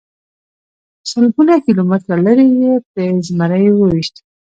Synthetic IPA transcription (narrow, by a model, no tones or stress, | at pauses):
salɡunakilomɪt̪ɾalaɾijet̪əzmaɾəjwəwiʃt̪i